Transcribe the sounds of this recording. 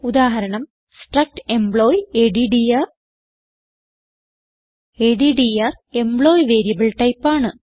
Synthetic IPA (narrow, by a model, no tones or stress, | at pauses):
ud̪aːɦɐɾɐɳɐm | sʈrɐk̚ʈembɭoːjeɖiɖiɐr | eːɖiɖijɐre̞mbɭoːjʋeːɾijɐbɐɭʈɐjpːaːɳɨ